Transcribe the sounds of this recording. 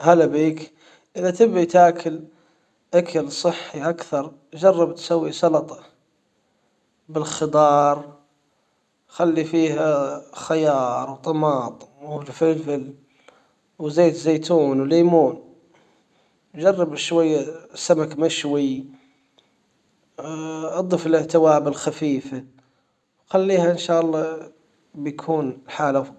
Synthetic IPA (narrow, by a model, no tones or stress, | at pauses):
halabiːk | ʔəðat̪ɪbːit̪akʰəl | ʔakʰəlsˤɨħːiʔakθɑɾˤ | d͡ʒɑrˤːɑbt̪sawːisɑlɑt̪ˤɑ̥ | bɪlxɪd̪ˤɑːɾˤ | xalːifiːhaxajɑːɾˤwt̪ˤɑmɑːt̪ˤwlfɪlfɪl | wzeːt̪zejt̪uːnwliːmuːn | d͡ʒɑrˤːɑbʃwajːsamakmaʃwi | ʔɑd̪ˤəfələʕt̪ɪwabəlxæfiːfa | wxælːiːhæʔənʃaʔlˤːɑ | bjkʰuːnħaːla